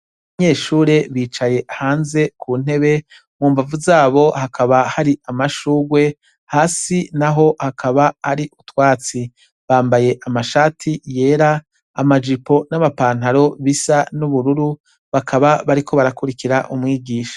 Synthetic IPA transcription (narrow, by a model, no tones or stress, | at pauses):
βaɲe̞ːʃuːɾe̞βiːt͡ʃaje̞haːnze̞kʰuːn̥e̞βe̞ | muːmvavuzaːβo̞hakʰaβahaɾiʔamaʃuːɡwe̞ | haːsinaɦo̞hakʰaβaːɾiʔutwaːt͡si | βaːmbaje̞ʔamaʃaːtʰije̞ːɾaː | mad͡ʒipo̞namapaːn̥aɾo̞βisanuβuɾuɾu | βakʰaβaβaɾikʰo̞βaɾakuɾikiɾaʔumŋiːɡiːʃḁ